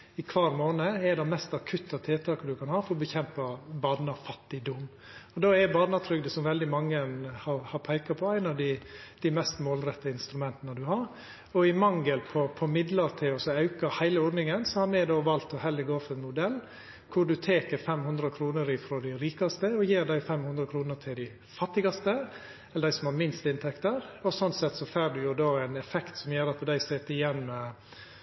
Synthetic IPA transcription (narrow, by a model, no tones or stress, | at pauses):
ɪkʰʋɑːɾmoːnəɛd̪ɛmɛst̪ɑkʰʉt̪ːɑt̪ʰeːt̪ʰɑːkəd̪ʉkʰɑnhɑːfɔɾɔbəçɛmpɑbɑnɑfɑt̪ːɪd̪ʊm | ɔd̪oːɛbɑːnɑt̪ʰɾʏɡ̚d̪əsɔmʋɛld̪ɪmɑŋːənhɑɾhɑɾpʰæɪkɑpʰɔæɪnɑd̪ɪd̪̥ɪmɛst̪moːlɾɛt̪ːəɪnst̪ɾʉmɛnt̪ənəd̪ʉɦɑɾ | ɔɪmɑŋɡəlpʰɔpʰɔmɪd̪ləɾt̪ʰɪlɔsɔɑʉkɑhæɪləɔːɖnɪŋənsɔhɑɾmɛd̪oːʋɑlt̪ɔhɛləɡoːfɛnmʊd̪ɛlː | kʰʊɖʉt̪ʰeːkəɾfɛmhʉnd̪ɾəkʰɾuːnəɾɪfɾoːd̪ɪɾiːkɑst̪əɔjeːɾɖ̪æɪfɛmhʉnd̪ɾəkʰɾuːnət̪ʰɪld̪ɪ | fɑt̪ːɪɡɑst̪ə | ɛləd̪æɪsɔmhɑɾmɪnst̪ɪnt̪ʰɛkt̪əɾɔsɔnsɛt̪ːsɔfæːɖʉjʊd̪oːæɪnɛfɛkt̪sɔmjøːɾɑt̪d̪æɪsɛːt̪ɪjɛnːmɛ